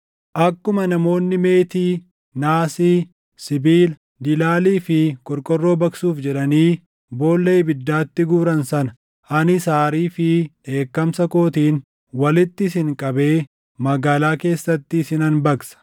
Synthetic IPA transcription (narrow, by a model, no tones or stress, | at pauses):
ʔɐkːʊmɐnɐmo̞ːnːɪme̞ːt̪iː | naːsiː | sɪbiːl | d̪ɪlaːliːfɪkʼɔɾkʼɔrːo̞ːbɐksuːfd͡ʒɛᶑɐniː | bo̞ːlːejbɪd̪ːaːt̪ːɪɡuːɾɐnsɐnɐ | ɐnɪsaːɾiːfɪʔe̞ːkːɐmsɐko̞ːt̪iːn | wɐlɪt̪ːɪsɪŋkʼɐbe̞ː | mɐɡaːlaːke̞ːsːɐt̪ːɪːsɪnɐnbɐksɐ̥